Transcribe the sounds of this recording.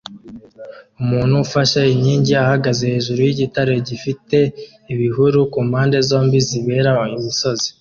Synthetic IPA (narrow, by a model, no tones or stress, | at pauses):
umuːn̥uːfaʃaiɲɲiːɲɟiahaɡaze̞he̞ːʒuɾujiɟitaɾe̞ɟifite̞ | iβiɦuɾukuːmhaːnde̞zo̞ːmbiziβe̞ɾaimiso̞zi̥